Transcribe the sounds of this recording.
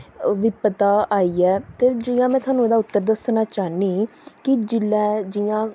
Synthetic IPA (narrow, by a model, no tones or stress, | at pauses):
ʋɪpət̪aːaːiːɛːt̪eːd͡ʒijãːmɛ̃ːt̪ʰʊaːnũːeːd̪aːʊt̪ːəɾd̪əsnaːt͡ʃaːniːkid͡ʒɪlɛːd͡ʒɪjãː